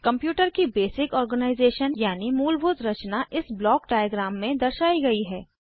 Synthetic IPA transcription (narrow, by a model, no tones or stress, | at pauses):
kɐ̃mpjuːʈəɾkibeːsɪkɔːɾɡənaːɪzeːʃənjaːnimuːlbʊd̪ɾɐt͡ʃnaʔɪsblɔːkɖaːjəɡɾaːmːẽd̪ɐɾʃaːiɡɐiɦɛː